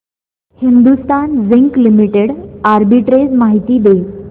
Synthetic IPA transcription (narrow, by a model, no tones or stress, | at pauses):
hind̪ust̪anziŋklimiʈeɽaɾbiʈɾed͡zmaɦit̪iːd̪e